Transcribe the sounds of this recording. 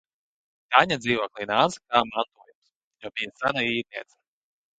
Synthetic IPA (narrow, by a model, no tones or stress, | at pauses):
t̪aɲʲad̪ziːvɔklˠinanskaːmant̪uɔːjums | jɔbijasanaiːɾniɛt̪sɐ̥